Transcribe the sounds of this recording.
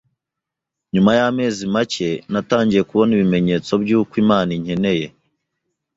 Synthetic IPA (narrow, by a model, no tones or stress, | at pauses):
ɲumajame̞ːzimace̞nataːɲɟije̞kuβo̞niβime̞ɲe̞ːt͡so̞bjuːkwiːmaːniɲ̥he̞ne̞je̞